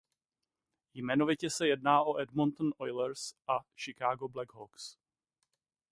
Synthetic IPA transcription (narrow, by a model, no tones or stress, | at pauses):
jmɛno̞vɪcɛsɛjɛdnaːʔoʔɛdmont̪n̩ʔojlɛɾsʔaʃɪkaːɡoblɛɡɦoks